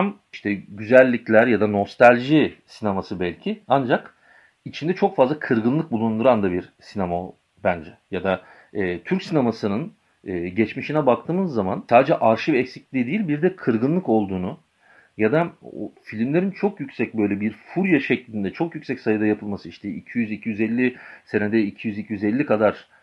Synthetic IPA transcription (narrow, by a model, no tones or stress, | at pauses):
amiʃt̪ʰɛɟyzælʲːiclʲæɾjad̪ano̞st̪ʰalʲʒisinemasɯbɛlʲcʰiand͡ʒak | it͡ʃʰind̪ɛt͡ʃʰo̞kfazlˠakʰɯɾɡɯnlˠɯk̚bulˠund̪uɾand̪abiɾsinema | bænd͡ʒɛjad̪a | ɛːt̪ʰyɾcsinemasɯnɯn | ɛːɟɛt͡ʃmiʃinɛbak̚t̪ʰɯːmɯzːama̰nsaːd̪ed͡ʒɛʔaɾʃivɛcsic̚lʲiːd̪ejilʲbiɾd̪ɛkʰɯɾɡɯnlˠɯko̞lˠd̪uːnu | jad̪ao̰filʲimlʲe̞ɾint͡ʃʰokjycsɛc̚bø̞jlʲɛbiɾfuɾjaʃɛclʲind̪ɛt͡ʃʰo̞kjycsɛcsajɯd̪ajapʰɯlˠmasɯiʃt̪ʰɛicʰijyzicʰijyzɛlʲːise̞ned̪ɛicʰijyzicʰijyzɛlʲːikʰad̪aɾ̥